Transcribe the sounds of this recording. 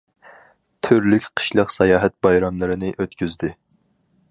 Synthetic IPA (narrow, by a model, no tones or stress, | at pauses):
t̪ʰyɾlykʲqʰə̥ʃlˠəqsɛjɑːɦɛt̪̚bɑjɾɑmlˠɨɾɨnɪʔøt̪kʲyzd̪ɪ